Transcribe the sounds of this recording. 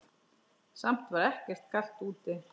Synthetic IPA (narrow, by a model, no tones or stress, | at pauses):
sam̥t̪vaɾɛhcɛɾ̥t̪kʰal̥t̪uːt̪ɪ